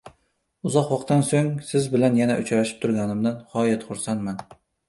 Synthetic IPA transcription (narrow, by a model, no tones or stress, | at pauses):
ʊzɒqwɒqt̪ʰansoŋsɪzbɪlanjanaʔʊt͡ʃɾaʃɪ̥p̚t̪ʰʊɾɡʲanɪmd̪anhɒjat̪χʊɾsanman